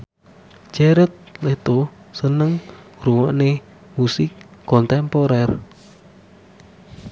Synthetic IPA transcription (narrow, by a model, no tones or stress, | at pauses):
d͡ʒɛɾət̪̚let̪o | sənəŋ | ɾuwɔʔne | musɪkkɔnt̪ɛmpɔɾɛr